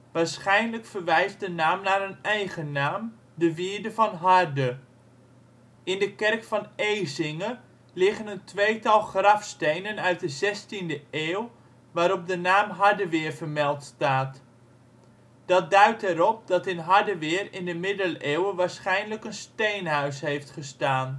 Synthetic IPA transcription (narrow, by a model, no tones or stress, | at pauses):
ʋaːɹsχɛjnləkfərʋɛjz̚dənaːmnaːɾənɛjχənaːm | dəʋiːɹdəvɑnɦardə | ɪndəkɛrkfɑnejzɪŋə | lɪχənəntʋejtɑlˠχrɑfstejnənœɥt̚dəzɛstindəʔeːw | ʋaːɾɔp̚dənaːmɦadəʋɪːrvərmɛlˠtstaːt | d̥ɑt̚dœɥtɛɾɔp̚dɑtɪnɦɑɹdəʋɪːrɪndəmɪdəleːwəʋaːɹsχɛjnləkənstejnɦœɥsɦejftχəstaːn